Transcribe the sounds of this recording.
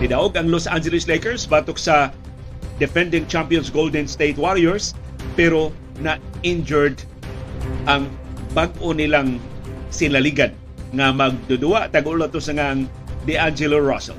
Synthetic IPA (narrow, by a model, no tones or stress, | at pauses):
nɪd̪aʔoɡɐŋlosʔand͡ʒɛlɪslejkɛɹsbaːt̪ok̚sa | d̪ɛfɛ̃nd̪ɪŋt͡ʃampijonsɡold̪ɛnst̪ejt̪̚waɾiɛɹs | pɛɾo | naʔɪnd͡ʒɛɹd̪ | ʔaŋbaɡ̚ʔonɪlaŋsɪnaliɡan | ŋamɐɡ̚d̪ud̪ʊwaʔt̪aɡʊlat̪osaŋaŋ | d̪iʔand͡ʒɛloɹasɛ̰l